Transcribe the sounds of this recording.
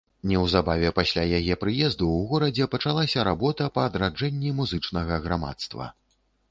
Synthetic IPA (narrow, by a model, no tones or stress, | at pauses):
nʲɛwzabavʲɛpasʲlʲajajɛpɾɨjɛzd̪uwɣɔɾɐd͡zʲɛpɐt͡ʂalˠasʲɐɾabɔt̪ɐpɐːd̪ɾad͡ʐɛnʲːimuzɨt͡ʂnɐɣɐɣɾama̰t̪st̪vɐ̰